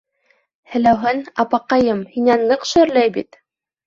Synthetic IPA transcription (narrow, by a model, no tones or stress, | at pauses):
hɘ̆læwɦɘnɑpɑqɑjɤmhinænːɤqʃø̆ɾlæjbḭt̪